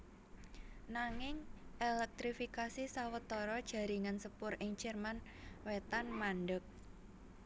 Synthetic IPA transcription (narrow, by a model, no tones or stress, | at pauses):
naŋɪŋʔelɛk̚t̪ɾifikasisawət̪ɔɾɔd̥ʒ̥a̤ɾiŋansəpʊrɪŋ̥t͡ʃɛrmanwet̪anmanɖək̚